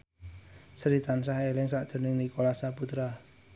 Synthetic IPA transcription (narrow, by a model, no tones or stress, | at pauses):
səɾit̪ansaɦelɪŋsad̥ʒ̥ə̤rnɪŋnikolasaput̪ɾa